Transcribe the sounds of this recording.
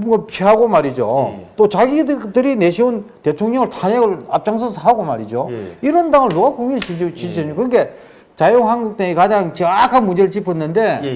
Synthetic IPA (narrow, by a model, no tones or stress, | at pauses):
bɡpʰiɦaɡomaɾid͡ʑot͈ot͡ɕaɡiddɯɾineɕʰiunte̞tʰoŋɲʌŋɯɭtʰaɲeɡɯɭap̚t͡ɕ͈aŋs̬ʰɯsʰɦaɡoma̰ɾid͡ʑoiɾʌndaŋɯnːoɡakʰuŋiɭt͡ɕit͡ɕiɕʰeokɯɾnɡe̞ | t͡ɕajoŋɦanɡuk̚t͈eŋekad͡ʑaŋt͡ɕɯakʰanmud͡ʑeɾɯɭt͡ɕipʰʌnːɯnde̞